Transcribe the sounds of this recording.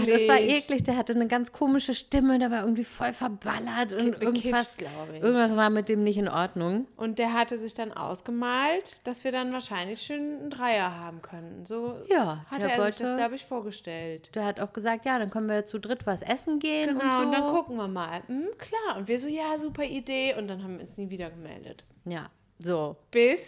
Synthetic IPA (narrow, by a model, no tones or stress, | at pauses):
aasvaːɐʔɛːklɪçd̥eːɐɦatənəɡant͡skʰoːmɪʃəʃtɪmədaɐvaːɪɐɡŋ̩tv̥iːfɔlfɛɐbalɐtʊntʔɪɐɡ̩ɪv̥assla̰ʊbəɪɐɡŋ̩tvasvaːɐmɪt̚d̥eːmnɪçtɪnʔɔɐdnʊŋʔʊnt̚d̥eːɐɦatəzɪçd̥anʔa̰ʊsɡ̥əmaːltd̥asv̥iːɐdanvaːɐʃaɪnlɪçʃoːnn̩dʁaɪɐɦaːbm̩kʰœnn̩zoːjaːhatːɐːɐvɔɪçdaslaʊbəɪçfoːɐɡəʃtɛltd̥eːɐhataʊxɡ̥əzaːk̚tjaːɾankʰɔmənviːɐt͡sudʁɪtv̥asʔɛsn̩ɡeːəɡənʊnaʊnd̥ankʰʊkŋ̩viːɐmaːlm̩kʰl̥aːɐʔʊntv̥iːɐzoːjaːzuːpɐʔideːʊntd̥anhɦabmviːɐʊnsniːviːdɐɡəmɛ̰ldə̰t | ja̰ː | zoːb̥ɪs